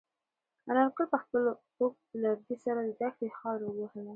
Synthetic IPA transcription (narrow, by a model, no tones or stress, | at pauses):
aɾanqəlpəxpəlot̪ok̚lad̪isaɾad̪əd̪akɽexɑɾwəɡohəla